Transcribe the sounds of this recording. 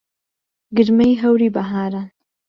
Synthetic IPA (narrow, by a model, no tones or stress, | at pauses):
ɡəɾmajɦawɾibaɦaːɾan